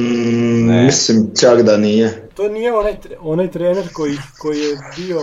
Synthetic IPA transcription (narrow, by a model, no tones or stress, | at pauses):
mislimt͡ʃakd̪anijet̪oːnijeonajt̪onajt̪ɾeːneɾkojikojijebio